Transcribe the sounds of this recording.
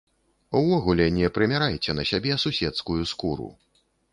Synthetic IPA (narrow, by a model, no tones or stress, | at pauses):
uvɔɣulʲɛnʲɛpɾɨmʲaɾajt͡sʲɛnɐsʲabʲɛsusʲɛt̪skujuskuɾṵ